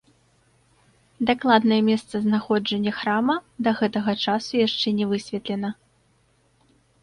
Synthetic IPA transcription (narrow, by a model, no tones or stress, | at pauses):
d̪aklˠad̪nɐjɛmʲɛst̪sɐznaxɔd͡ʐɐnʲːɐxɾamɐd̪ɐɣɛt̪ɐɣɐt͡ʂasujaʂt͡ʂɛnʲɛvɨsʲvʲɛt̪lʲɛnɐ